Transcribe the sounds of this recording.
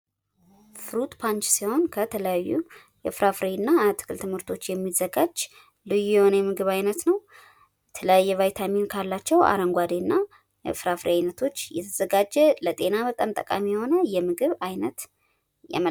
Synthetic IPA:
fɨɾut̪pʰant͡ʃsiho̞nkʰət̪ʰələjajːu | jɛfɾafɾeɨnːat̪ʰɨ̥kʰɨlt̪ʰɨmhɨɾt̪ʰo̞t͡ʃːjɛmːizːəɡad͡ʒ | lɨjːujɛho̞nəjɛmɨɡɨβajnət̪nəw | jɛt̪ʰələjajːɛvajt̪ʰaminkʰalːat͡ʃːɛwa̰ɾəŋɡʷad̪enːa | jɛ̰fɨɾafɾeajnət̪ʰo̞t͡ʃːjɛ̰t̪ʰəz̥əɡad͡ʒɛlət̪ʼe̞naβət̪ʼamt̪ʼə̰kʼa̰mijho̞nəjɛmɨɡɨβajnət̪ | ja̰mə

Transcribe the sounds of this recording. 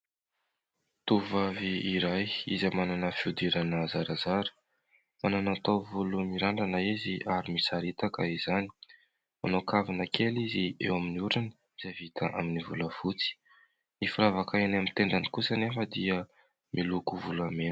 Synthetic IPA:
t̪uvaviiɾajḭzamananəfiud̪iɾanəzaɾazaɾə̥ | mananat̪awvulumiɾaɳɖ͡ʐanəiziʔaɾimisaɾit̪akaizani̥ | ma̰nokavinəkʰeliziḛwaminiuɾinə | mizavit̪ʰaʔa̰minivṵləfut͡si̥ | nifiɾavakainamit̪eɳd̪anikusənefəd̪iə | mʔilukuvulame

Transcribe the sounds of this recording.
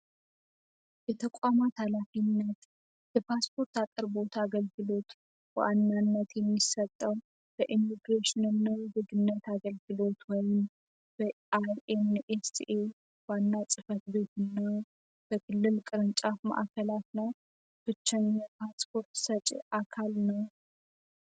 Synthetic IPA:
jɛt̪ʰəkʷʼamat̪halafinːət̪ | bɛpʰaspʰo̞ɾt̪atʼɨɾbo̞t̪aɡəlɡɨlo̞t̪ | b̥ə̰ʔanːanːət̪jɛmːisət̪ʼːəw | b̥əʔimiɡɾeʃɪnɨnːazɨɡɨnːət̪aɡəlɡɨlo̞t̪wɔjɪm | b̥ə | ajenʔesḭʔe | wanːasʼɨfət̪be̞t̪ɨnːa | b̥əkʰɨlːɨlkʼɨɾɨnt͡ʃʼafma̰ʔkʰəlat̪nəw | b̥ɨt͡ʃːaɲɛpʰaspʰo̞ɾt̪sət͡ʃʼʔakʰalnəw

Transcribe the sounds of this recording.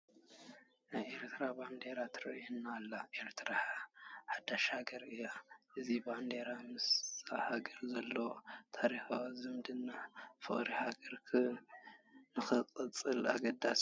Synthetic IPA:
najʔe̞ɾt̪ʰɨɾaband̪e̞ɾat̪ʰɨɾɐ̰ʔunːalːaʔe̞ɾt̪ʰɾaħad̪aʃaɡɐɾɨjːaʔɨziband̪eɾamɨsahaɡɐɾzɐlːot̪ʰaɾixawzɨmd̪ɨnːafɨχʼɾihaɡɐɾkʰɨ | nɨxɨqʼɨt͡sʼɨla̰ɡɐd̪ːas

